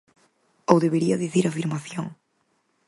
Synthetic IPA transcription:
owðeβeɾiɐðiθiɾafiɾmaθjõŋ

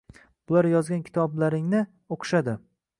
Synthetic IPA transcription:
b̥ʊlaɾjɒzɡʲankʲʰɪ̥t̪ʰɒblaɾɪŋnɪ | oqʰʃad̪ɪ

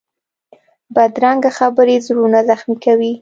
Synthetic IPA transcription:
bad̪ɾaŋɡaxabəɾezɾunazaxmikawi

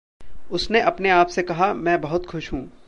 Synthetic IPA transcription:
ʊsneʔɐpneaːpsekɐɦamɛ̃ːbɐɦʊt̪xʊʃɦũː

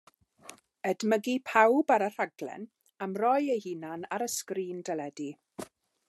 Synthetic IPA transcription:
ədməɡipʰawbaɾər̥aɡlɛ̰n | amrɔjejhinanaɾəskriːndɛlɛdi

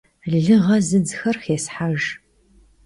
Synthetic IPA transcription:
ɮɨʁɐzɨd͡zxɐrxeːsħaʒ

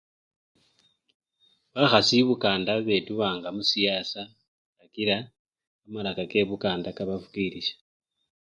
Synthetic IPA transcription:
βaxasiβukaːndaβe̞tuβaːŋɡamusijasa | ɾakiɾaː | malakake̞βukaːndakaβafukiːɾiʃḁ

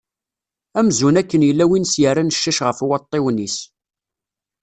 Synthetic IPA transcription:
æmzunækːənjəlːæwinsjəɾanəʃːæʃʁəfwɑt̪ˤːɪwnis

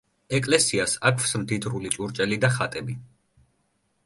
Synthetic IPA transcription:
ɛkʼlɛsiasakʰfsmd̪id̪ɾulit͡ʃʼuɾt͡ʃʼɛlid̪aχat̪ʼɛbi

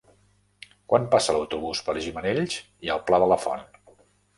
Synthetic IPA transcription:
kwampasələwt̪uβ̞uspəɾʒiməneʎs | iəlˠplaðələfɔ̰n

